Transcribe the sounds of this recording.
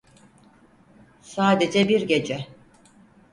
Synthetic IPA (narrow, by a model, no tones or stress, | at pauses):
saːd̪e̞d͡ʒɛbiɾɟe̞d͡ʒɛ